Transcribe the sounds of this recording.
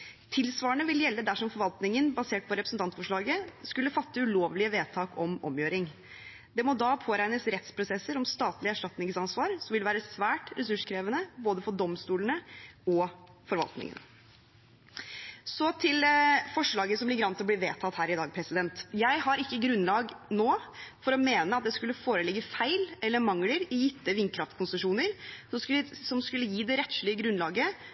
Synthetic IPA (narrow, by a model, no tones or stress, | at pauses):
t̪ʰɪlsʋɑːəɳəʋɪljɛlːəd̪æʂɔmfɔɾʋɑlt̪nɪŋənbɑseːʈ̚pʰɔɾɛpɾəsn̩t̪ʰɑnt̪fɔʂɭɑːɡəskʉlːəfɑt̪ːəʉloːʋlɪəʋeːt̪ʰɑːkʰɔmɔ̰mjøːɾɪŋ | d̪ɛmɔd̪ɑpʰoːɾæɪnəsɾɛt̪spʰɾʊsɛsːəɾɔmst̪ɑːt̪lɪəæʂʈɑt̪nɪŋsɑnsʋɑːɾsɔmʋɪlʋæːɾəsʋæːʈɾɛsʉʂkʰɾeːʋənəboːd̪əfɔɖɔmst̪uːlənəɔ | fɔɾʋɑ̰lt̪nɪ̰ŋə̰n | sɔt̪ʰɪlfɔʂɭɑːɡəsɔmb̪lɪɡɾɑnt̪ɪɔbliːʋeːt̪ʰɑt̪hæːɾɪd̪ɑːɡ̚pʰɾɛsɪd̪ɛnt̪jæɪhɑɾɪkːəɡɾʉnlɑːɡnoːfɔɾɔmeːnəɑt̪̚d̪ɛskʉlːəfoːɾəlɪɡːəfæɪlɛlːəɾmɑŋləɾɪjɪt̪ːəʋɪnŋkʰɾɑft̪kʰʊnsəʂuːnəɾsɔk̪sɔmskʉlːəjiːd̪ɛɾɛt̪ʃlɪəɡɾʉnlɑːɡə